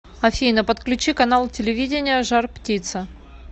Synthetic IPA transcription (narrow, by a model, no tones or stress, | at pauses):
ɐfʲijnəpət̪klʲʉt͡ɕikɐnalˠtʲɪlʲɪvʲidʲɪnʲɪjəʐarptʲit̪sə